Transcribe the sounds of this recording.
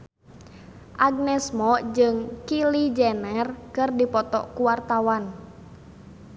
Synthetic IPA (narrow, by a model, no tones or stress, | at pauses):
ʔaɡ̚nɛsmɔd͡ʒɨŋkilid͡ʒɛnɛrkɨrdipɔt̪ɔ̰kuwart̪awan